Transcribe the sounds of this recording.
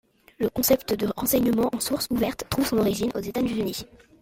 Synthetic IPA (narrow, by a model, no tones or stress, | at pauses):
ləkɔ̃sɛpt̪əd̪əʁɑ̃sɛɲəmɑ̃ʔɑ̃suʁsuvɛʁt̪ːχuvsɔ̃nɔʁiʒinʔo̰zet̪anyʒəni